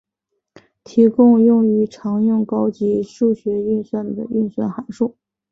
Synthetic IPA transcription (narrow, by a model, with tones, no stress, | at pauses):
t̪ʰi˧˥kʊ˥˧ŋjʊ˥˩ŋy˧˥ʈ͡ʂʰɑ˧˥ŋjʊ˥˩ŋkɑ˥ʊt͡ɕi˧˥ʂu˥˩ɕɥɛ˧˥y˥˧nswa˥˩nd̪ə̰˩y˥˧nswa̰˥˩nxa˨˩nʂu˥˩